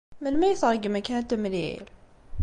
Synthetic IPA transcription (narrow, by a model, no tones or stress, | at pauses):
mənmæjəθʁəɡmækænt̪ːæmliḭl